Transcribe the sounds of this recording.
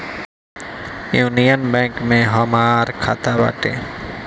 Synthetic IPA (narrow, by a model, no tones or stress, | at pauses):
juːnijənbɛ̃ŋkmẽɦəmaːɾkʰa̰ːt̪aba̰ːʈḛ̃ː